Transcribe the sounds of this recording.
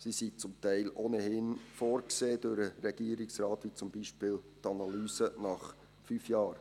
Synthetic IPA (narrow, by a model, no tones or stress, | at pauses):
sisit͡sʊmtæɪlʔoːnəhɪnfɔːɾkseːd̥øɾəɾɛɡ̥iəɾɪksɾɑːt̪ʋit͡sʊmbiʃpɪːlt̪ɑnɑlyːsənɑχ | fyfjɑːɾ